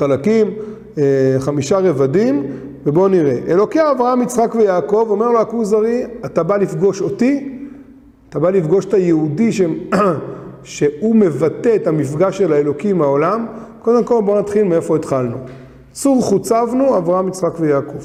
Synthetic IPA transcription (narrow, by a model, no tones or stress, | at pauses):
alakim | eχamiʃaʁe̞vadim | vebo̞niʁe̞ʔelo̞kiaːvʁaamit͡sχakvejaːko̞vo̞me̞ʁloakuzaʁiat̪abalifɡo̞ʃo̞t̪i | at̪abalifɡo̞ʃe̥tajeudiʃe | ʃe̞ume̞vat̪e̞ːt̪amifɡaʃe̞laelo̞kimao̞lamko̞d̪e̞mko̞lbo̞nat̪χilmee̞fo̞et̪χalnu | t͡suʁχut͡savnuavʁaamit͡sχakvejaːko̞v